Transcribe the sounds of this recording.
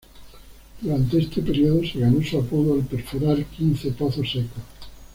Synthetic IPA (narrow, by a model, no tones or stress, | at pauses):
d̪̥uɾant̪eest̪epeɾjoðose̞ɣano̞suapoðoalpeɾfuɾalkin̟θepoθoseko